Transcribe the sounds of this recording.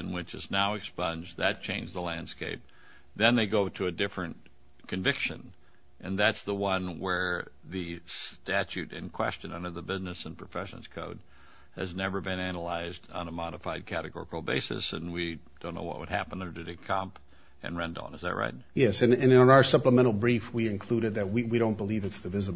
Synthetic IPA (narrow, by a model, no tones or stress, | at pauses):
ɨ̃nwɨt͡ʃɨ̰znaʊɨkspʌ̃nd͡ʒðɨt̚t͡ʃʰẽɪ̃nd͡ʒðəlæ̃nd̥skeɪp̚ | ðɨ̃nðeɪɡoʊɾɨɨdɪfɹɨ̃n | kʰɨ̃ɱvɪkʃɨ̰̃n | ʔɨ̃nðætsðəwʌ̃nwə˞ | ðɨstæt͡ʃʉɾɨ̰̃nkʰw̥ɛ̰st͡ʃɨ̃nʌ̰̃ndə˞ðəbɪznɨsə̃npʰɹ̥əfɛʃɨ̰̃n̩z̥kʰoʊd̚ | ɨ̰znɛvə˞bɨ̃nænəlaɪzdn̩əmɑɾəfaɪd̚kʰæɾɨɡɔ̰ɹəkl̩ˠbḛɪsɨ̰sɨ̰̃nwid̥õnːo̰ʊwʌ̰ʔwə̰d̚hæ̰pə̃nə˞dɨðeɪkʰɑ̃mp | ʔɨ̰̃nɹɛ̃ndə̰̃nəzðɨ̰ʔ̚ɹʔa̰ɪt̚jɛsɨ̃nɨ̃nɨ̃ñnaʊə˞sʌpləmɛ̃ɾ̃l̩ˠbɹifwiɨ̃nkʰl̥uɾɨd̪̚ðɨt̚wiwiɾõʊ̃nb̥əlivɨtsðɨvɪzə